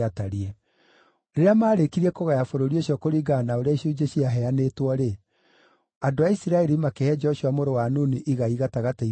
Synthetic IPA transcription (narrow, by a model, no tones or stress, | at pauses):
ataɾiɛ | ɾeɾeamaːɾekiɾiɛkoɣajafoɾoɾioɕjɔkoɾiɡanaoɾeaiɕud͡ʒeɕiaɦɛanetwɔɾe | adoaisiɾaɛɾimakehɛd͡ʒɛɔʃuwamoɾowanoniʔiɣaiɣataɣatai